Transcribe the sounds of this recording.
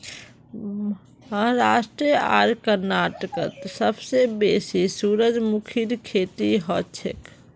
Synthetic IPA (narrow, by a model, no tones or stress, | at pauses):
ɦəɦɾasʈɾiəa̰ɾkəɾnaʈəkə̰t̪səbsebesisuɾəd͡ʒmukʰiɾkʰet̪iɦɔt͡ʃʰḛk